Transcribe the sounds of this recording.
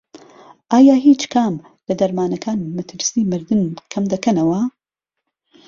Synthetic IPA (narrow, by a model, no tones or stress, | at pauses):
ʔaːjaːɦiːt͡ʃkʰaːm | lɐd̪ɐɾmaːnɐkʰaːnmɐt̪ʰɨɾsiːmɨɾd̪ɨnkʰɐmd̪ɐkɐnɐwɐ